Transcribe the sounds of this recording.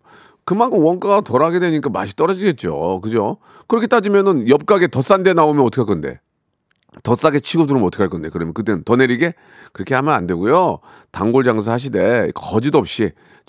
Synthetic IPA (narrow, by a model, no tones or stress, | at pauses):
kɯmaŋkʰɯmwʌnk͈aɡatʌɾaɡe̞dweɲik͈ama̰ɕʰi̥t͈ʌɾʌd͡ʑiɡe̞t̚t͡ɕ͈o̰kɯd͡ʑo | kɯɾʌkʰe̞t͈ad͡ʑimjʌnɯnjʌp̚k͈aɡe̞tʌs͈ande̞naomjʌnʌtʰɯ̥kʰaɭk͈ʌnde̞̰ | tʌs͈aɡet͡ɕʰiɡoduɾɯmotʰɯ̥kʰaɭk͈ʌnde̞kɯɾʌmjʌkɯt͈enɯntʌne̞ɾiɡe̞ | kɯɾʌkʰe̞hamjʌnande̞ɡujo | taŋɡoɭd͡ʑaŋs̬ʰʌhaɕ̬ʰide̞kʌd͡ʑidoʌp̚ɕ͈i